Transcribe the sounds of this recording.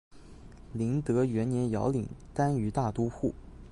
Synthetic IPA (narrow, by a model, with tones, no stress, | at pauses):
li˧˥ŋt̪ɤ˧˥ɥɛ˧˥nnjɛ˧˥njɑ̰˧˥ʊli˨˩˦ŋt̪a˥ny˧˥t̪a˥˩t̪u˥xu˥˩